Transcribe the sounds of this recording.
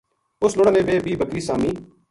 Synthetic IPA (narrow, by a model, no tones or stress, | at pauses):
ʊsloːɽaːnẽːʋeːbiːbəkɾiːsaːmiː